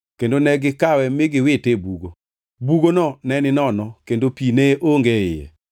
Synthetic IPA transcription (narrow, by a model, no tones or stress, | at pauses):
kendonɛɡɪkawɛmɪɡɪwɪtebuɡo | buɡonɔnɛnɪnɔnɔkendopineʔoŋɡeɪ̰jɛ̰